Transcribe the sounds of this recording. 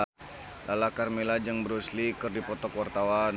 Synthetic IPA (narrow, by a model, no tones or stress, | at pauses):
lalakarmelad͡ʒaŋbəɾuslikɨrdipɔt̪ɔkwart̪awan